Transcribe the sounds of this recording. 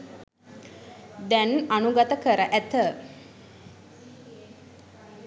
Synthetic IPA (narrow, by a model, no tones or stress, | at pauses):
d̪ɛnanuɡət̪əkəɾəʔæt̪ə